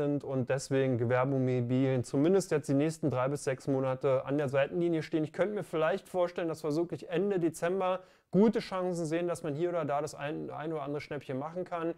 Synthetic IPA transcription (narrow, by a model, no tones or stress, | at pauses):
ɪntʊnt̚d̥ɛsv̥eːɡŋ̩ɡəvɛɐbʊŋmebiːlənt͡sumɪndəstjɛt͡std̥iːnɛːçstn̩dʁaɪbɪsz̥ɛksmoːnatəa̰ndeːɐzaɪtn̩liːnjəʃteːənɪçkʰœntəmiːɐfɪlaɪçtfoːɐʃtɛləndasfɛɐzuːkɪçʔɛndədet͡sɛmbɐ | ɡ̥uːtəʃaŋzn̩zeːəndasmanhiːɐoːdɐdaːɾasʔa̰ɪnʔa̰ɪnoːɾɐʔandəʁəʃnɛpçənmaχn̩kʰan